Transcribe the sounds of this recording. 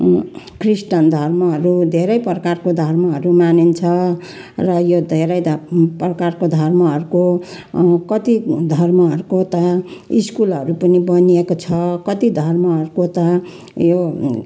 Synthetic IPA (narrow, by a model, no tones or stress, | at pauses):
krisʈʌnd̪ʱʌrmʌɦʌɾud̪ʱeɾʌjprʌkarkod̪ʱʌrmʌɦʌɾumanint͡sʰʌ | rʌjod̪ʱeɾʌj̪prʌkarkod̪ʱʌrmʌɦʌɾuko | kʌt̪id̪ʱʌrmʌɦʌɾukot̪ʌiskulɦʌɾupʌnibʌniekot͡sʰʌkʌt̪id̪ʱʌrmʌɦʌɾukot̪ʌ | jo